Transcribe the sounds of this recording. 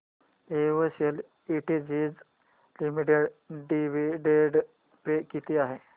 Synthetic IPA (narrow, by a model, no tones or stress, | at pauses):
eʋəsəl | iʈid͡ʑid͡z | limiʈeɖɖiʋiɖeɖ | pekit̪iaɦe